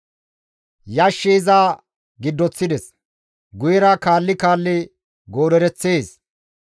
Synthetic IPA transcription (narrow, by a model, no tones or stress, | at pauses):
jɐʃːiːzaː | ɡɪd̪ːɔt͡sːɪd̪ɛs | ɡʊjɛɾɐkaːlːɪkaːlːɪ | ɡoːɾɛɾɛt͡sːeːs